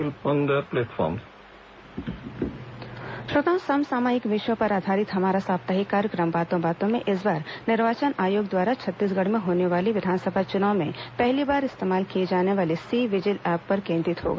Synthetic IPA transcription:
ɪlpə̃ŋɡəɾplɛːʈfʰɔ̰ːɾm | ʃɾot̪ãːsɐmsaːmaːɦɪkʋɪʃwəpɐɾaːd̪ʱaːɾɪt̪ɦɐmaːɾasaːbt̪aɦikaːɾjəkɾəmbaːt̪õbaːt̪õmẽʔɪs̬baːɾnɪɾʋaːt͡ʃənaːjoːɡd̪waːɾat͡ʃʰɐt̪ːiːs̬ɡɐɽ̤mẽɦoːneʋaːliʋɪd̪ʱaːnsəbʱat͡ʃʊnaːʊ̃mẽpɛɦlibaːɾɪst̪eːmaːlkied͡ʒaːneʋaːlisiːʋɪd͡ʒɪlɛːpːɐɾkẽːnd̪ɾɪt̪ɦo̰ːɡa̰

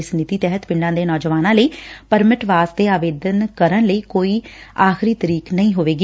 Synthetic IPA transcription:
snɪt̪iːt̪ɛɦət̪pɪɳɖãːd̪eːnɔːd͡ʒʋaːnãːləiːpəɾmɪʈʋaːst̪eːaːʋeːd̪ənkəɾənləiːkoːiːaːxɪɾiːt̪əɾiːknəĩːɦoːʋeːɡ

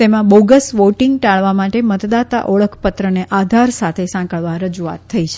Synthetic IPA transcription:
t̪emãboɡəsʋoʈiŋɡʈaɭʋamaʈemət̪d̪at̪a̰ʔoɭəkʰpət̪ɾəneʔad̪ʱaɾsat̪ʰesãkəɭʋaɾəd͡ʒua̰t̪ʰːəit͡ʃʰe̥

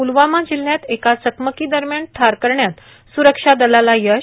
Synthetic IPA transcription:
ulʋamad͡ʑilːjat̪ekasəkməkid̪əɾmjaɳʈʰaɾkəɾɳjat̪ | suɾəkʂad̪əlalajə

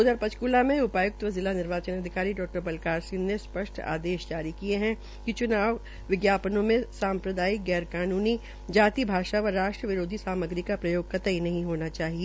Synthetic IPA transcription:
ʊd̪əɾpɐt͡ʃkuːlamẽʊpaːjʊk̚t̪ʋəzɪlanɪɾʋaːt͡ʃənɐd̪ʱɪkaːɾiɖɔːk̚ʈəɾbɐlkaːɾsĩnnespɐʃʈʰa̰ːd̪eːʃd͡ʒaːɾikieɦɛ̃ | kit͡ʃʊnaːʋ | ʋɪɡjaːpənõmẽsaːmpɾəd̪aːɪkɡɛːɾkaːnuːni | d͡ʒaːt̪ibʱaːʃaɐɾːaːʃʈɾəʋɪɾoːd̪ʱisaːməɡɾikapɾɐjoːɡ̚kɐt̪əinɐɦĩɦoːnat͡ʃaːɦie

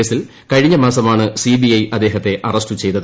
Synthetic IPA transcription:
eːsil | kɐɻiɲːɐmaːsɐmaːɳɨsibijɐjʔɐd̪ːe̞ːɦɐt̪ːe̞ʔɐrɐsʈɨt͡ɕe̞jt̪ɐðɨ

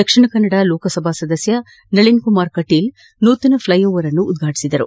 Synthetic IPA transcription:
d̪ɐkʂiɳɐkɐnːɐɽaloːkɐsɐbʱaːsɐd̪ɐsjɐ | nɐɭinkumaːɾkɐʈil | nuːt̪ɐnɐpʰlɐjoːʋɐɾɐnːuːd̪ɡʱaːʈi̥sid̪ɐɾṵ

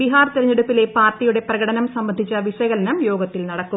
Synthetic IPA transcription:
iɦaːrt̪iɾɐɲːeɽupːile̞paːrtijuɽe̞prɐɣɐɽɐnɐmsɐmbɐnd̪ʱit͡ɕːɐʋiʂɐɣɐlɐnɐmjo̞ːɡɐt̪ːilnɐɽɐkːu

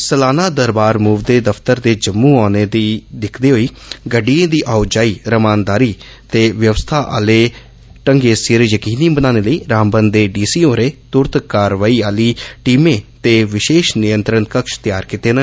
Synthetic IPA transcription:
səlaːnaːd̪əɾbaːɾmuːʋd̪eːd̪əpʰt̪əɾd̪eːd͡ʒəmːũːaːneːd̪iːd̪ɪkʰd̪eːɦoːiː | ɡəɖiẽːd̪iːʔaːud͡ʒaːiːɾəmaːnd̪aːɾiː | t̪eːʋjəʋst̪ʰaːʔa̰ːleː | ʈəŋɡeːsɪːɾjəkiːnĩbənaːneːləiːɾaːmbənd̪eːɖiːsiːoːɾeːt̪ʊɾt̪kaːɾʋaːiːaːliːʈiːmẽːt̪eːʋɪʃeːʃnɪjənt̪ɾənkəkʃt̪ɪjaːɾkiːt̪eːnə

